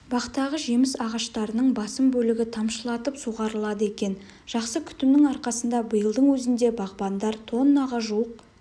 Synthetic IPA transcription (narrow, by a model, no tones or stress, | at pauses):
b̥ɑqt̪ɑʁəʒe̞mɪsɑʁɑʃt̪ɑɾənəɴbɑsəmbɵlɪɡʲɪt̪ʰɑmʃəlˠɑt̪əpsuʁɑɾəlˠɑd̪əe̞kʲe̞n | ʒ̥ɑqsəkʲʰʏ̥t̪ɪmnɪŋɑɾqɑsənd̪ɑbəjəlˠd̪əɴwɵzɪnd̪e̞bɑʁbɑnd̪ɑɾt̪ʰo̞nːɑʁɑʒuəq̚